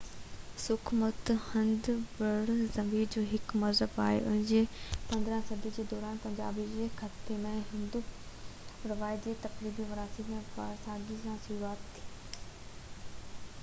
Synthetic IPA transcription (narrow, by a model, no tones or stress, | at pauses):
sʊkʰmət̪hɐ̃nd̪ʋɐɽzɐmiːɾd͡ʑoːɦɪkmɐɾzəba̰ːɦḛʔʊ̰nɪ̃ɲd͡ʑepɐ̃nd̪ɾə̃sɐd̪ʱid͡ʑeːd̪ɔːɾaːnpɐ̃ɲd͡ʑa̰ːbid͡ʑeːxɐt̪pemẽɦɪ̃nd̪u | ɾɐʋaːɪd͡ʑeːt̪ɐkɾiːbiʋɐɾaːsimẽpa̰ɾsaːɡisãsʊɾuaːt̪t̪ʰːiː